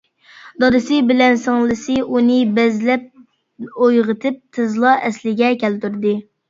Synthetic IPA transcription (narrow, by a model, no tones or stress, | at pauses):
d̪ɑd̪ɨsɨbɪlɛnsɪŋlˠɨsɨunɨbɛzlɛp̚ | ojʁət̪ʰɨp̚t̪ʰɨzlˠɑɛslɪɡʲɛkʲɛlt̪yɾd̪ɨ